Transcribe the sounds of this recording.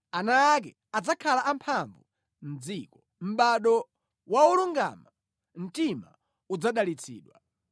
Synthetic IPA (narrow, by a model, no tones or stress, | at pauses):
anaːk̬ɛ | ad͡zakʰalaʔampʰaɱvu | m̩d͡ziːkɔ | m̩ɓaɗɔ | wauluŋɡa̰ma | m̩tima | ud͡zaɗalit͡sʰḭːɗwa